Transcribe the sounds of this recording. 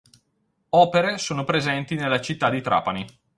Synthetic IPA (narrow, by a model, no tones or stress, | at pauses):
ɔːpeɾesoːnopɾezɛnt̪inelːat͡ʃit̪ːad̪ːit̪ɾa̰ːpani